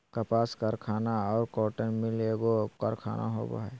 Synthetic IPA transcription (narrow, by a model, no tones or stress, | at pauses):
kapaːskəɾkʰaːnaɔːɾkɔːʈənmɪleɡokəɾkʰa̰ːnʔa̰ɦo̰ba̰ɦɛ